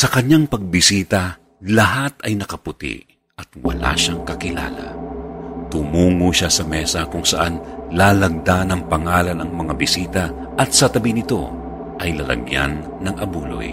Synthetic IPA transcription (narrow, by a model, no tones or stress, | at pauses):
sɐkɐɲaŋpɐɡ̚bɪsiːt̪ɐ | lɐɦat̪ɐjnɐkɐpʊt̪ḭʔ | ɐt̪̚wɐ̰la̰ʃaŋkɐkɪla̰ːlɐ̰ | t̪ʊmuːŋoʃasɐmɛsɐkʊŋsɐʔanlaːlɐɡ̚d̪anɐŋpɐŋaːlɐnɐŋmɐŋabɪsiːt̪ɐ | ʔɐt̪̚sɐt̪ɐbɪnɪt̪o̞̰ | ʔɐjlɐlɐ̰ɡja̰nːɐŋʔɐbuːlo̰j